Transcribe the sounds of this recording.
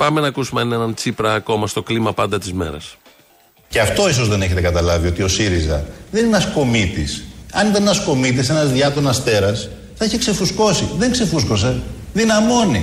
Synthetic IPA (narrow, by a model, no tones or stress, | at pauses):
pɐme̞nɐːkusumeɐnnenɐnt͡sipɾɐːko̞mɐst̪o̞klimɐpɐnd̪ɐt̪izme̞̰ɾɐ̰s | ceɐft̪o̞is̬o̞zðe̞neçe̞t̪ekɐt̪ɐlɐvio̞t̪io̞siɾizɐ̰ðenenɐsko̞mit̪isɐnit̪ɐnenɐsko̞mit̪̬ise̞nɐzðʝɐt̪onɐst̪e̞ɾɐs | θɐiçekse̞fusko̞siðeŋkse̞fusko̞s̬e̞ðinɐmo̞ni